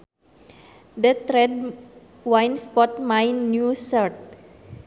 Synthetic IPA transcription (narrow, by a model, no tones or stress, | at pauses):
d̪ət̪ɾɛd̚ | wãjnspɔtmãjnːjusət̪̚